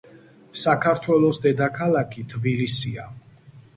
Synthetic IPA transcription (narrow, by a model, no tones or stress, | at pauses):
sakʰaɾt̪ʰwɛlˠɔsd̪ɛd̪akʰalˠakʰit̪ʰbilisia